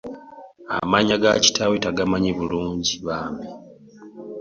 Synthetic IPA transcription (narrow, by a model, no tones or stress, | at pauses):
a̰maɲaɡa̰ci̥tawetaɡamaɲiβuluːɲɟiβaːme